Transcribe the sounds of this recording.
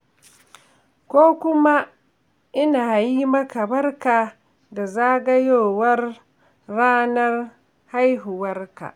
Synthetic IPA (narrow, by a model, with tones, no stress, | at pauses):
kʷoː˦kʷʊ˦ma˦ | ʔɪ˦naː˨ji˦mɐ˦ka˨bɐ˦rka˨ | da˨zaː˦ɡɐ˦joː˦˨wɐ˦rː | aː˦nɐ˦r | ha˦jɦʊ˨wɐ˦rka̰˨ʔ